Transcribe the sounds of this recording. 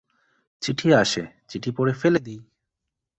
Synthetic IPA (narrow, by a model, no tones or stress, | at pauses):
t͡ɕiʈʰiaʃet͡ɕiʈʰipoɾefeled̪ij